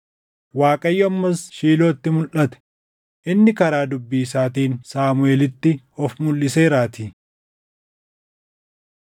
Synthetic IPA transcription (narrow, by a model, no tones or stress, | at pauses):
waːkʼɐjːɔɐmːɐsʃiːlo̞ːt̪ːɪmʊlʔɐt̪ɛ̥ | ʔɪnːɪkɐɾaːd̪ʊbːis̬aːt̪iːnsaːmʊeːlɪt̪ːɪ | ɔfmʊlːɪseːɾaːt̪iː